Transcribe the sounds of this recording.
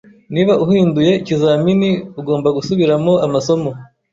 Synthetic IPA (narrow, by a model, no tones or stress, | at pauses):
niːβaʔuhiːnduje̞cizaminiuɡo̞ːmbaɡusuβiɾamoamaso̞mo̞